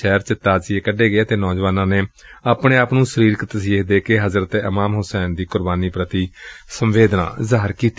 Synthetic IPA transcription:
ɛːɾt͡ʃɪt̪ːaːt͡ʃɪekəɖeːɡɪeːt̪eːnɔːd͡ʒʋaːnãːneː | aːpɳeːaːpnũːsəɾiːɾkət̪siːɦd̪eːkeɦəzɾət̪eəmaːmɦʊsɛːnd̪iːkʊɾbaːniːpɾət̪iːsəmʋeːd̪nã̰ːzaːɾkiːt̪i

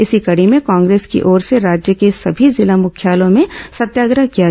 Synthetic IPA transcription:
ɪsikɐɽimẽkãːŋɡɾeːskḭʔɔːɾseɾaːd͡ʒjəkesɐbʱizɪlamʊkʰjaːlõmẽsɐt̪jaːɡɾakija

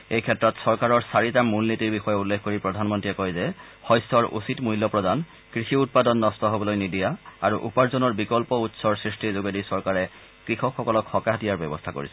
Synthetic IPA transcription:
ejkʰɛtːɹɔtsɔɹkaɹɔɹsaɹitamulnitiɹbixɔjɛulːekʰkoɹipɹɔdʱanmɔntɹiɛkɔjzɛ | xɔjsɔɹʔṵsitmujlɔpɹɔdan | kɹisiut̚padɔnːɔstɔɦobɔlojnidijaaɹuʔṵpaɹzɔnɔɹbikɔlpɔutsɔɹsɹistʰizoɡedisɔɹkaɹɛ | kɹixɔkxːɔkɔlɔkxɔkadijaɹbɛ̰bɔstʰako̰ɹḭsɛ̥

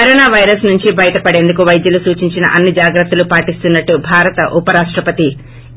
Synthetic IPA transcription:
kɐɾoɔːnaːʋɐjɾɐsnuɲt͡ʃibɐjɐt̪ɐpɐɽe̞ːnd̪ukuʋɐjd̪jɐlusuːt͡ʃiɲt͡ʃinɐ̰ʔɐnːid͡ʒaːɡɾɐt̪ːɐlupaːʈist̪unːɐʈːubʱaːɾɐt̪ɐʔupɐɾaːʂʈɾɐpɐt̪i

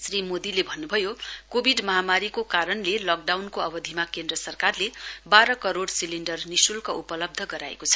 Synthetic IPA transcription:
srimod̪ilebʱʌnːubʱʌjokobʱiɖmʌɦamaɾikokaɾʌnlelʌk̚ɖawnkoʌbʌd̪ʱimakend̪rʌsʌrkarlebaɾʌkʌɾoɽsilinɖʌrnisulkaupʌlʌb̚d̪ʱʌɡʌɾa̰ḛkot͡sʰʌ̥

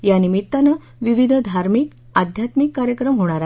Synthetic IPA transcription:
janimit̪ːanə | ʋiʋid̪ʱd̪ʱaɾmik | ad̪ʱjat̪mikːaɾjəkɾəmɦoɽ̃aɾa

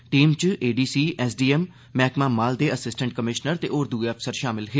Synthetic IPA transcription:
ʈiːmt͡ʃeːɖiːsiːɛːsɖiːɛmː | ɛːkmaːmaːld̪eːəsɪsʈə̃ɳʈ̚kəmɪʃnəɾt̪eːʔoːɾd̪uːeəpʰsəɾʃaːmɪlɦeː

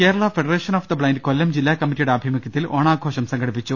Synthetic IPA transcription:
keːɾɐɭɐfeɽɐɾeːʂɐnoːfd̪ɐbɭɐjndkolːɐmd͡ʑilːaːkɐmːitːijuɽeɐbʱimɐkʲjɐt̪ːiloːɳaːɡʱoːʂɐmsɐŋɡɐɽipːit͡ɕːu

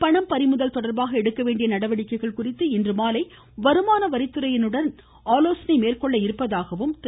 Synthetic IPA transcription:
pɐɳɐmpɐɾɪmɯðɐlt̪ɔɽɐɾbaːɣɐɛɽɯkːɐʋeːɳɖɪjɐnɐɽɐʋɐɽɪkːɐɪɣɐɭkʊrɪt̪ːɯɪndrɯmaːlɐɪ | ʋɐɾɯmaːnɐʋɐɾɪt̪ːɯɾɐjɪnɯɽɐn | aːloːsɐnɐɪmeːrkɔɭːɐɪɾɯpːɐðaːɣɐʋɯmt̪

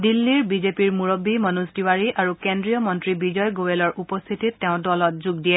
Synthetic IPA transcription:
dilːiɹbizepiɹmuɹɔbimɔnusdiwaɹiaɹukendɹijɔmɔntɹibizɔjɡowelɔɹʔupɔst̪ʰititːeʊ̃dɔlɔt̚zuɡdijɛ

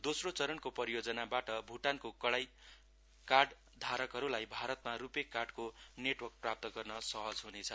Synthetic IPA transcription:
d̪osrot͡sʌɾʌnkopʌɾijod͡zʌnabaʈʌbʱuʈankokʌɽaj | karɖ | d̪ʱaɾʌkɦʌɾulajbʱaɾʌt̪̚marupekːarɖkoneʈwʌrk̚prap̚t̪ʌɡʌrnʌsʌɦʌd͡zɦunet͡sʰʌ

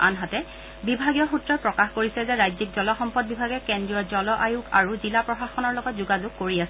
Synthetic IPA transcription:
a̰nɦatɛ | bibʱaɡijɔxutɹɔpɹɔkaxkoɹisɛzɛɹajzikzɔlɔxɔmpɔd̚bibʱaɡɛkɛndɹijɔzɔlɔʔajukʰa̰ɹuzilapɹɔxaxɔnɔɹlɔɡɔtzuɡazuk̚kːoɹiasɛ

